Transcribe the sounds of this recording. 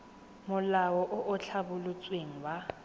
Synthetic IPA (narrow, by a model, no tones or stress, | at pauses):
mʊlawɔʔʊʔʊt͡ɬʰabʊlʊt͡sʼweŋ̩wa